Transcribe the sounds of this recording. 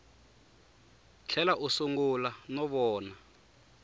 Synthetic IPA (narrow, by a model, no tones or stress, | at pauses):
t͡ɬʰɛlaʔusuŋɡulanɔβɔːna